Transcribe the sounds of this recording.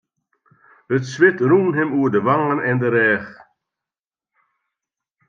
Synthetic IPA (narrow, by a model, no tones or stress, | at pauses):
ətsʋɪtruːnɦɪmuərdəʋaŋənɛndəɾɛːχ